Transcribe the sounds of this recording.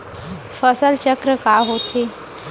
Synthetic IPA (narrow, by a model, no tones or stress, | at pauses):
fəsəlt͡ɕəkɾəkaɦot̪ʰe